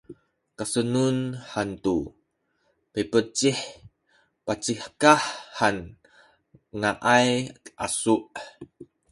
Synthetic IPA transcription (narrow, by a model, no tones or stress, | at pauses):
kasənunhant̪u | pepət͡ʃih | pat͡ʃihkahːan | ŋaʔajʔa̰suʔ